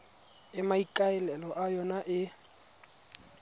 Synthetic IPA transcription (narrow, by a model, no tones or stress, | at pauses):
ɪmaikʼaɛlɛlɔʔajɔnaʔɪ